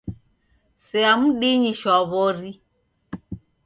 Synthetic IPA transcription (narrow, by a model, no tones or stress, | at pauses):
sɛamuɗiɲiʃɔβɔɾi